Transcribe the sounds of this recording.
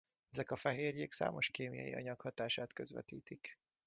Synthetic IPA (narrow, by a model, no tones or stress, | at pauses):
ɛzɛkɒfɛɦeːrjeːksa̰ːmo̞ʃkeːmijɒ̰jiɒ̰ɲɒkhɒt̪aːʃaːt̪køzʋɛ̰t̪iːt̪ik